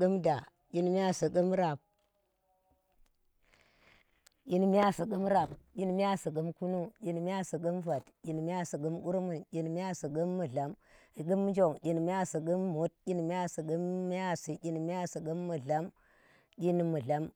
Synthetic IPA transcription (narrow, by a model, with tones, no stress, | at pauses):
ɡu˦mda˨ | ki˦n˦m˦a˦si˨ɡu˦mɾa˨p̚ | ki˦nm˦a˦si˨ɡu˦mɾa˨bɟi˦n˦m˦ja˦si˨ɡu˦mku˦nu˦ɟʲi˨n˨m˦a˦si˨ɡə˦mva˨tɟi˨n˨m˦a˦si˨ɡu˦mu˦ɾmu˨nkʲi˨n˨m˦a˦si˨ɡə˦mːu˨ɮa˦m˨ɡə˦m˦d͡ʒo˦˨ŋɟʲi˨n˨m˦a˦si˨ɡə˦mːu˦t̚kʲi˦n˨m˦a˦si˨ɡə˦mː˦a˦si˨ɟʲi˦n˨m˦a˦si˨ɡə˦mːu˨ɮa˦m | ɡʲi˦n˨mu˨ɮa˦m